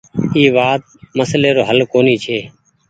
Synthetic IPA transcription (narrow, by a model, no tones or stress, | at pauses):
iːʋaːt̪̚məsleːɾoːɦəlkoːniːt͡ʃʰeː